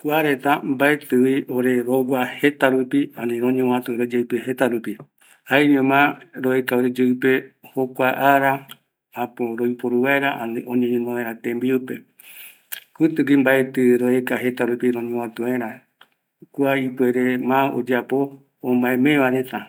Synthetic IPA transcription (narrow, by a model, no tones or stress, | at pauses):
kuaɾe̞t̪ambaet̪ɨwioɾe̞ɾowahe̞t̪aɾupianĩɾõɲẽwãt̪uɾed͡ʒeɨpehe̞t̪aɾupi | haeɲẽmãɾoekaoɾed͡ʒeɨpehokʷaʔaɾa | ãpõɾoipoɾuβaeɾaʔaniõɲẽɲẽnõẽɾ̃ãt̪ẽmbiupe | kut̪ɨkimbaet̪ɨɾoekaɦe̞t̪aɾupiɾõɲẽwãt̪uẽɾã | kuaipweɾemão̰d͡ʒapõ̞ː | maẽmẽβaɾet̪a